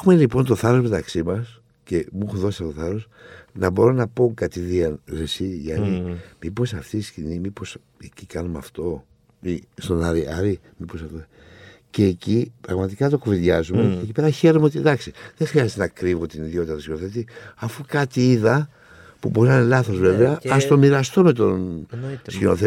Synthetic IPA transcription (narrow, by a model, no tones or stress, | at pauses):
exume̞lipo̞nt̪o̞θɐɾozme̞t̪ɐksimɐs | ce̞muxuðo̞sisɐt̪oθɐɾo̞s | nɐbo̞ɾo̞nɐpoŋkɐt̪iðiɐnɾesiʝɐnimipo̞sɐft̪iscinimipo̞s | ecikɐnumɐ̰ft̪o̞ | ist̪o̞nɐɾiʔɐɾi | miposɐft̪o | ce̞ːcipɾɐɣmɐt̪ikɐt̪o̞koviðʝɐzumececipeɾɐçe̞ɾomeot̪id̪ɐksiðexɾiɐzet̪enɐkɾivot̪iniðio̞t̪it̪ɐt̪oscinoθet̪iɐfukɐt̪iiðɐ | pubo̞ɾinɐne̞lɐθo̞zve̞veɐːst̪o̞miɾɐst̪ome̞t̪o̞nskino̰θe